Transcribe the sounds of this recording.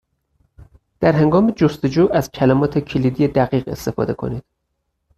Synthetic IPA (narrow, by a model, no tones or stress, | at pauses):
d̪̥æɾɦe̞ŋɡɒːmed͡ʒost̪e̞d͡ʒuːʔæzcʰælæmɒːt̪ʰe̞cʰeliːd̪ijed̪æɣiːɣe̞̰st̪e̞fɒ̰ːd̪e̞kʰo̞̰niːd̪̥